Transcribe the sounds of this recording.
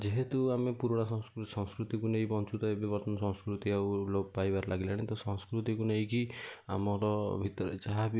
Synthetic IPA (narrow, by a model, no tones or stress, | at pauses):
d͡ʒeɦet̪uamepuɾɔɽ̃aɔsɔ̃ŋskɾut̪ikunejbɔnt͡ʃut̪ɔebibɔɾt̪ɔnɔsɔ̃ŋ̃skɾut̪iawlobɔpajbaɾlʔaɡilaɽ̃et̪ɔsɔ̃ŋskɾut̪ikunejkia̰mɔɾɔbʱit̪ɔɾet͡ʃaɦabi